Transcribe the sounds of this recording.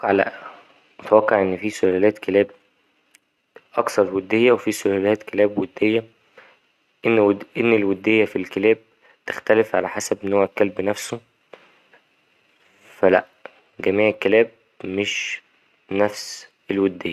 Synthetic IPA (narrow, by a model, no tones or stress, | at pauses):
ʕlæ̰ʔ | mot̪æwæqːɑʕʔenːfiːsolælæːt̪kelæːb̚ | ʔɑksɑɾˤwed̪ːejːæwefisolælæːt̪kelæːbwed̪ːejːæ | ʔenʔenːelwed̪ːejːæfilkelæːb̚ | t̪e̥xt̪ælefʕa̰læħasæbʔenːhowækælbnæfso | fælæʔ | ɡæmiːʕelkːelæːb̚ | meʃ | næfs | elwed̪ːejːæ